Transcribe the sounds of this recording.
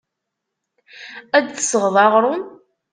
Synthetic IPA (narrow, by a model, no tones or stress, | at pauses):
æd̪θsəʁðˤɑʁɾˤʊn